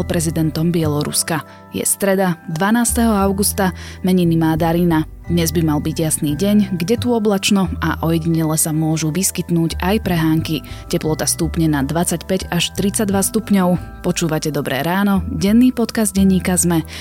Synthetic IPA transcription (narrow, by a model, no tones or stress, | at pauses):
lpɾɛzid̪ɛnt̪ɔmbɪɛlɔɾṵska | jɛ̰st̪ɾɛd̪ad̪ʋanaːst̪ɛɦɔaʊɡust̪amɛɲinimaːd̪aɾiːna | d̪ɲɛzbimalbiɟjasniːɟɛɲɡɟɛt̪uɔblat͡ʃnɔa̰ʔɔjɛɟiɲɛlɛsamʊɔʒuʋiskit̪nuːɟajpɾɛɦaːŋkicɛplɔt̪ast̪upɲɛnad̪ʋat͡sacpɛɟaʃt̪ɾit͡saɟd̪ʋast̪upɲɔʊ | pɔt͡ʃuːʋacɛd̪ɔbɾɛ̰ːɾaːnɔɟɛnːiːpɔt̪kazd̪ɟɛɲːiːkazmɛ